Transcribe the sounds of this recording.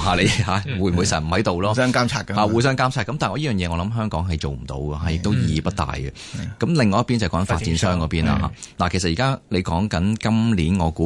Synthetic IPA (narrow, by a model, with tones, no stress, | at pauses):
haː˨˩le˨˧jhaː˨˧wu˨˧˩jmu˨˩jsɐ̰˨˩nm̩˨˩hɐ˨˥jt̪o˨wlɔː˥ŋkaː˥mʰaː˧khaː˨˧wuː˨˧jsœː˥ŋkaː˥mt͡sʰaː˧˥kːɐ˦mt̪aː˨nŋɔː˧˥ji˥jœː˨ŋjɛː˨˧ŋɔː˨˧lɐ˨˥mɦœː˥ŋkɔː˨˥ŋɦɐ˨jt͡so˨˩wm̩˨˩t̪o̰˨˧wɡɛ˧ɦaː˨˧jɪ˨k̚t̪o˥wjiː˨˧pɐ˥t̚t̪a̰ː˨jɡɛ˨ | kɐ˨˥mlɪ˨ŋːɔː˧jpiː˥nt͡sɐ˨kɔ˨˦ŋɐ˧nfaː˧t̚t͡siː˨˥nsœː˥ŋkɔː˨˧piː˥nla̰˧ɦa̰ː˧la˨kʰe˨˩sɐt̚jiː˨kaː˥le˨˧jkɔː˨˥ŋkɐ˨˥nkɐ˥mliː˨˥nŋɔː˨˧kuː˨˦˥